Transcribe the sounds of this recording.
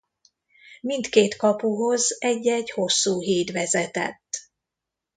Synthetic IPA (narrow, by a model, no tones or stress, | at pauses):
mint̪keːt̪kɒpuɦo̞zɛɟːɛɟho̞sːuːɦiːt̪ʋɛzɛt̪ɛ̰t̪ː